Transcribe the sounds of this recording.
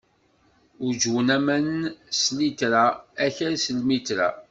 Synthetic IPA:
ʊd͡ʒwənæmænənslit̪ɾaæçəɾsəlmit̪ɾa̰

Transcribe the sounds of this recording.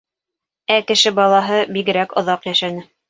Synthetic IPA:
ækɘ̆ʃɘbɑlˠɑɦɤbiɡɘ̆ɾækŏðɑqjæʃænɘ

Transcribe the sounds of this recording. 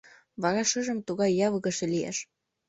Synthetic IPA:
βɑɾɑʃəʒə̆mt̪uɣɑjːɑβɤɣə̆ʃĕlijḛʃ

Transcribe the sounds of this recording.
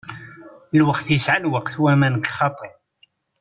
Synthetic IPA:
lwəqθjəsʕalwəqθwæmænɡχɑt̪ˤe

